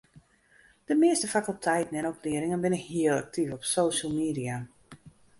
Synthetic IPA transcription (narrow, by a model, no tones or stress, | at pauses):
d̥əmɪəstəfakəlˠtʰɛjtn̩ɛnɔpliəɾɪŋənbɪnɪkhiəlˠa̰k̚tʰifɔpsoːʃəlˠmiːdija